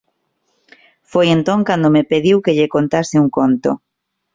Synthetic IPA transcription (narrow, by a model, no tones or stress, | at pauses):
fojent̪õŋkand̪omepeðiwkeʎekont̪asɪuŋkont̪o̰